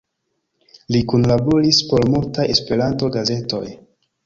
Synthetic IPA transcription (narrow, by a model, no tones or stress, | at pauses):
likunlaboɾispo̞ɾmultaje̞spe̞ɾanto̞ɡaze̞to̞̰j